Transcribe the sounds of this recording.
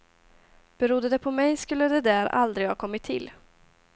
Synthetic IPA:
b̥ɛɾʊd̪ːəd̪ɛpʰɔmɛjskɵlːəd̪ɛd̪æːɾa̰ld̪ɾɪɡhɑːkʰɔmːɪt̪ʰːɪ̰lː

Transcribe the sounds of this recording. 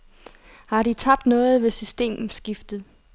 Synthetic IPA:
hɑ̈ɾ̥it͡sʰɑ̈b̥̚d̥nɔ̽ːð̞̩ˠʋe̝sysd̥e̝̰ːmm̩sɡ̥ifd̥ð̩ˠ

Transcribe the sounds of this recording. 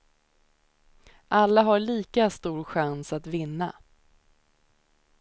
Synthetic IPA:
ʔalːaɦaɭiːkast̪uːɾɧansat̪vɪnːa̰

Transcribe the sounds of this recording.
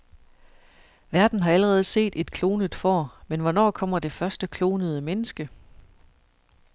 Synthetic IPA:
ʋæɐd̥n̩ɦɑ̈æləʁɛːð̞̩ˠəse̝̰ːd̥e̝d̥kʰlo̝ːnəd̥ˠfɒ̰ːmenʋɒnɒ̰ːkʰɒ̽m̰ɐd̥e̝fɶɐsd̥əkʰlo̝ːnəð̞̩ˠəmenəsɡ̥ə

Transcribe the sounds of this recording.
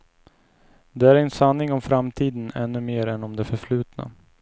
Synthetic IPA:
d̪ɛæɾɛnsanːɪŋɔmfɾamt̪ʰiːd̪ənɛ̰nːɵmeːɾɛnɔmd̪ɛfœɾfɭʉ̟ːt̪na̰

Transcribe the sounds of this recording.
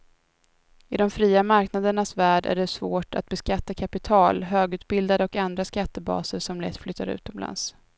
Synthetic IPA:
ɪd̪ɔmfɾiːamaɾknad̪əɳasvæːɖæ̰ɖɛsvoːʈa̰t̪̚bɛskat̪ːakʰapɪt̪ʰɑːlɦøːɡʉ̟ːt̪̚bɪld̪ad̪əɔkand̪ɾaskat̪ːəbɑ̰ːsəɾʂɔmlɛ̰t̪ːflʏt̪ʰːa̰ɾʉ̟̰ːt̪ɔmla̰ns

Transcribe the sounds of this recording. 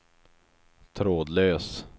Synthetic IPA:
t̪ʰɾoːd̪løːs

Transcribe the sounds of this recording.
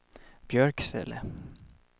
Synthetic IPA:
b̥jœɹksɛ̰lə

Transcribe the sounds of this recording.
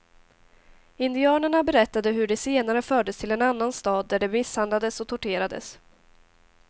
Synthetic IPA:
ɪnd̪ɪɑːnəɳabɛɾɛt̪ːad̪əɦɵɖɛseːnaɾəfœːɖəst̪ʰɪlɛnanːanst̪ɑːd̪̚ːæɖɛmɪshand̪lad̪əsɔt̪ʰʊʈeːɾad̪ə̰s

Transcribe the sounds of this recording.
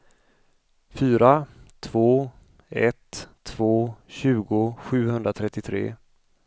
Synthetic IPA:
fyːɾat̪ʰv̥oː | ɛ̰t̪ʰː | v̥oːɕʉ̟ːɡʊɧʉ̟ːhɵnd̪ɾat̪ʰɾɛt̪ːɪt̪ʰɾḛː

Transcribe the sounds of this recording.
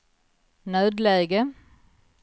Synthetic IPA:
nœːd̪leːɡə

